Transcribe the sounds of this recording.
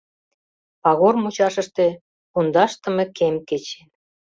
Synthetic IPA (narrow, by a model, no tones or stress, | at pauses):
pɑɣormut͡ɕɑʃə̆ʃt̪ĕ | und̪ɑʃt̪ə̆mĕkemket͡ɕe